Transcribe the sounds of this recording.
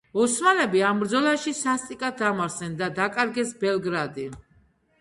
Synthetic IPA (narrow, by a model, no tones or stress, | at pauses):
ɔsmanɛbiambɾd̪zɔlˠaʃisast̪ʼikʼat̪̚damaɾsɛnd̪ad̪akʼaɾɡɛsbɛlˠɡɾad̪i